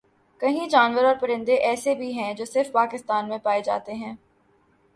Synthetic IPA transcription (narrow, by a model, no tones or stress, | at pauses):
kɐɦĩd͡ʒaːnʋəɾɔːɾpɐɾɪ̃nd̪eʔɛːsebʱiɦɛ̃d͡ʒoːsɪɾfpaːkɪst̪aːnmẽpaːed͡ʒa̰ːt̪eɦɛ̃ː